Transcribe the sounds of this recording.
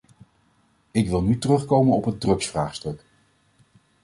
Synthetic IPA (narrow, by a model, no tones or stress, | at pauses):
ɪkʋɪlˠnytərɵχkowmənɔpɦəd̚drɵksfra̰ːχstɵk